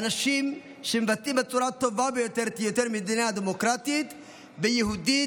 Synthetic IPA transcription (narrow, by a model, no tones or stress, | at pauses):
ɐnɐʃiːm | ʃɪmvɐt̪ʼːɪbɐt͡sʼːʊɾat̪ːɔbaːbɛjɔt̪ɛɾt̪jɔt̪ɛɾmɪd̪ɪnjad̪ɛmɔkɾaːt̪iːt̪ | bɛjɪɦʊd̪iː